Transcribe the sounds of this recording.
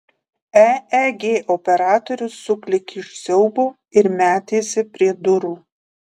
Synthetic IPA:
ɛɛɡʲeːʔɔpʲɛɾɑːt̪ɔɾʲʊsːʊklʲɪkʲɪʃʲsʲɛʊboː | ɪɾmʲæːt̪ʲeːsʲɪpʲɾʲiɛd̪ʊɾuː

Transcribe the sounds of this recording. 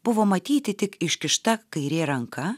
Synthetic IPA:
b̥ʊʋoːmɐt̪ʲiːt̪ʲɪt̪ʲɪkɪʃʲkʲɪʃt̪ɐkɐɪɾʲeːɾɐŋkʰɐ

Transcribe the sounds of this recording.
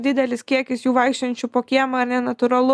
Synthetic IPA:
d̪ʲɪd̪ʲɛlʲɪskʲiɛkʲɪsjuːʋɐɪkʃʲt̪ʲɐnʲt͡ʃʲuːpoːkʲiɛmɐɐɾnʲɛnɐt̪ʊɾɐlˠʊ

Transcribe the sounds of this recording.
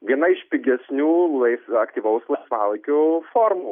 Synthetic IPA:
ʋʲiɛnɐɪʃʲpʲɪɡʲɛsʲnʲuːlˠɐɪsɐkt̪ʲiːʋɐʊslˠɐɪsʋɑːlˠɐɪkʲʊfoːɾmuː

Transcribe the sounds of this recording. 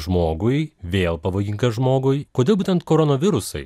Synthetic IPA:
ʒmoːɡʊjʋʲeːlˠpɐʋoːɡʲɪŋkɐʒmoːɡʊjkoːdʲeːlˠbuːtʲɛnt̪koːɾonoːʋʲɪɾʊsɐɪ

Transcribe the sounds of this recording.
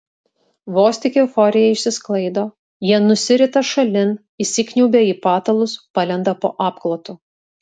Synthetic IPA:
ʋoːsʲt̪ʲɪkʲɪʊfɔɾʲɪjɛɪʃʲsʲɪsklˠɐɪd̪oː | jiɛnʊsʲɪɾʲɪt̪ɐʃɐlʲɪn | isʲɪkʲnʲuʊbʲeːiːpɑːt̪ɐlˠʊspɐlʲɛnd̪ɐpo̰ːʔɑːpklˠoːt̪ʊ

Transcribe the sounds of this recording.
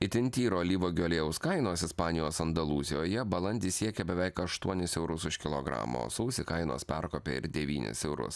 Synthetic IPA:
ɪt̪ʲɪnʲt̪ʲiːɾoːlʲiːʋoːɡʲoːlʲeːʊskɐɪnoːsɪspɑːnʲɪjoːsɐnd̪ɐlˠuːzʲɪjoːjɛbɐlˠɐnʲd̪ʲiːsʲiɛkʲɛbʲɛʋʲɛɪkɐʃt̪uɔnʲɪsɛʊɾʊsʊʃʲkʲɪlˠoːɡɾɑ̰ːmo̰ːsɐʊsʲɪkɐɪno̰ːspʲɛɾkoːpʲḛɪ̰ɾd̪ʲɛʋʲiːnʲɪ̰sɛʊɾʊ̰s

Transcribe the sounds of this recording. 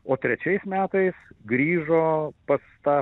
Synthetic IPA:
oːt̪ʲɾʲɛt͡ʃʲɛɪsmʲæːt̪ɐɪsɡɾʲiːʒoːpɐst̪ɑː

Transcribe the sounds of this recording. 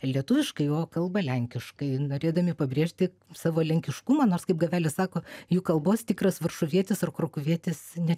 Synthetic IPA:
lʲiɛt̪ʊʋʲɪʃkɐɪjoːkɐlˠbɐlʲɛŋʲkʲɪʃkɐɪnoːɾʲeːd̪ɐmʲɪpɐbʲɾʲeɛʃʲt̪ʲɪ | sɑːʋoːlʲɛŋʲkʲɪʃkʊmɐnoːrskɐɪpɡɐʋʲæːlʲɪssɑːkoːjuːkɐlˠboːst̪ʲɪkrɐsʋɐrʃʊʋʲiɛt̪ʲɪsɐrkɾoːkʊʋʲiɛt̪ʲɪsnʲɛ

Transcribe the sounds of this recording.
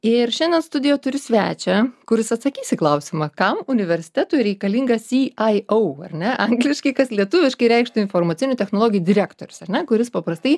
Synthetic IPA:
ɪrʃʲɛnʲd̪ʲɛnst̪ʊd̪ʲɪjoːt̪ʊɾʲɪsʲʋʲæ̰ːt͡ʃʲɛkʊɾʲɪsɐt̪sɐkʲiːsʲɪklˠɐʊsʲɪmɑkɐmʊnʲɪʋʲɛɾʲsʲɪ̥t̪ʲæt̪uɪɾʲɛɪkɐlʲiːŋɡɐsiːɐɪoʊɐrʲnʲɛʔɐŋɡlʲɪʃkɐɪkɐslʲiɛt̪ʊʋʲɪʃkɐɪɾʲɛɪkʃt̪ʊɪnfoːrmɐt̪t͡sʲɪnʲʊt̪ʲɛxnoːlˠoːɡʲɪjuːdʲɪɾʲæːkt̪oːɾʲʊsɐrʲnʲɛkʊɾʲɪspɐpɾɐst̪ɐɪ

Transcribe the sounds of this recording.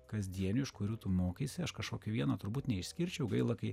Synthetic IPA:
kɐzʲd̪ʲiɛnʲuːɪʃkʊɾʲuːt̪ʊmoːkʲiːsʲɪɐʃkɐʃkoːkʲʋʲiɛnɐt̪ʊɾbuːt̪nʲɛɪʃʲsʲkʲɪɾʲt͡ʃʲɛʊɡɐɪlˠɐkɐɪ

